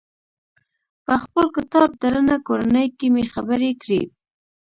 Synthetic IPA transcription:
pəxpəlkɪt̪ɑb̚d̪aɾənakoɾanəjkemexabəɾekɽḭ

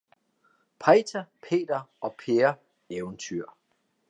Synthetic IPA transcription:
pʰɑt͡sʰæpʰe̝̰ːd̥ɐɒ̽pʰeɐ | eʊnt͡sʰyɐ̰

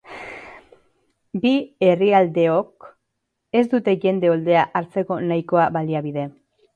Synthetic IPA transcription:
bie̞riald̪e̞o̞k | e̞zd̪ut̪e̞ʝe̞nd̪e̞o̞ld̪e̞aʔaɾt͡se̞ko̞najko̞aβaliaβiðe̞

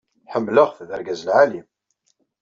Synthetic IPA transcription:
ħəmːləʁθðə̰ɾɡæzəlʕalim

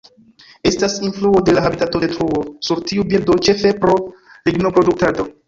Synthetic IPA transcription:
e̞stasinfluo̞de̞laɦabitato̞detɾuo̞suɾtiubiɾdo̞t͡ʃe̞fe̞pɾo̞ | liɡno̞pɾo̞duk̚tado̞

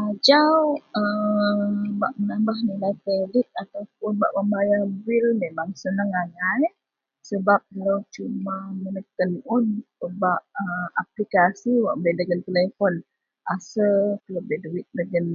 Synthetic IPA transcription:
ad͡ʒawə | baʔmənambahnilajpelɪt̪̚at̪awp̚ʊnba̰ʔməmbajabilmemaŋsənəŋanaj | səbap̚ələwt͡ʃumamənək̪ənʊnəbaʔəaplikasiwaʔbbedəɡənt̪əlefɔn | ʔasəkəlobeduɪt̪̚dəɡən

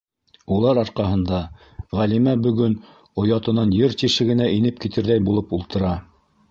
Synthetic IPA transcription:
ulˠɑɾɑɾqɑɦɤ̆nd̪ɑ | ʁælimæbɵ̆ɡɵn | ŏjɑt̪ɤ̆nɑnjɤɾt̪iʃɘ̆ɡɘ̆næʔinɘp̚kit̪ɘ̆ɾðæjbulˠɤpulˠt̪ɤ̆ɾɑ

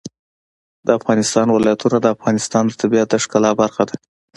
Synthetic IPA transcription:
d̪əafɣɑnɪst̪ɑnwɪlɑjat̪unad̪əafɣɑnɪst̪ɑnd̪ət̪abiat̪̚d̪əʂkalɑbaɾxad̪a

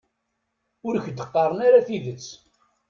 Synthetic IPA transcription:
ʊɾçd̪əqːɑɾˤənaɾaθiðət͡sː

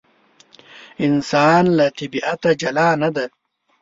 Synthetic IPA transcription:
ɪnsaːnlat̪ibiʔat̪ad͡ʒɐlaːnɐd̪a

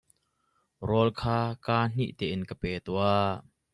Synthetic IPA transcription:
rɔlkʰaːkaːn̥ḭʔt̪ɛːʔɪnkəpɛːt̪ua

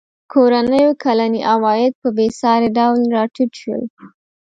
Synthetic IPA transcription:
kʰoɾanəjokʰalaniʔawɑjɪd̪̚pəbesɑɾaɖawlɾɑʈiʈʃwə̰l

